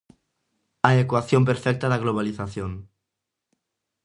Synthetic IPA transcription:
aekwaθjomp̬eɾfɛk̚t̪aðaɣloβ̞aliθaθjon

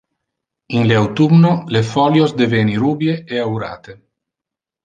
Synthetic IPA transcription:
inleawt̪umnolefɔljozd̪eveniɾuːbjeeawɾa̰ːt̪e

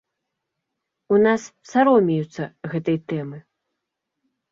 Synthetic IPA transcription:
unassaɾɔmʲijut̪sːɐɣɛt̪ɐjt̪ɛmɨ

